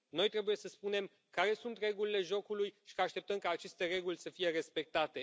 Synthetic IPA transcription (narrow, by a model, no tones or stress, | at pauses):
no̞jt̪ɾe̞buje̞səspune̞m | kaɾe̞sunt̪re̞ɡulile̞ʒo̞kulujʃi̥kaːʃt̪e̞p̚t̪əmkaːt͡ʃe̞st̪e̞re̞ɡulʲsəfije̞ɾe̞spe̞k̚t̪at̪e̞